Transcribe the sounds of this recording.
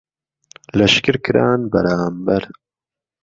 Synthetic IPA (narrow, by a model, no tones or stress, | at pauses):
lɐʃkɨɾkɨɾa̰ːnbɐ̰ɾaːmbɐɾ